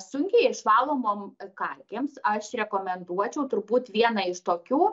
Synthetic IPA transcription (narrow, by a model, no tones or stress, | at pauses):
sʊŋʲkʲɛɪɪʃʋɑːlˠoːmoːmkɐlʲkʲeːmsɐʃɾʲɛkoːmʲɛnd̪uɔt͡ʃʲɛʊt̪ʊɾbuːt̪ʋʲiɛnɐɪʃt̪oːkʲuː